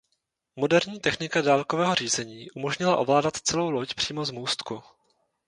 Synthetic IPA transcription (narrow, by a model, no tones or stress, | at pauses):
mo̞dɛɾɲiːt̪ɛxnɪkadaːlkovɛːɦo̞r̝iːzɛɲiːʔumo̞ʒɲɪla̰ʔo̞vlaːdat̪t͡sɛlo̞wlo̞cpr̥iːmo̞zmuːst̪ku